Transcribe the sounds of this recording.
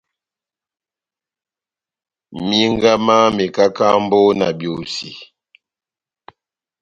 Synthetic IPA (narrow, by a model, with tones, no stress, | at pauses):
mi˦ŋɡa˦ma˦mi˨ka˦ka˦mbo˦na̰˨bjo˨si˨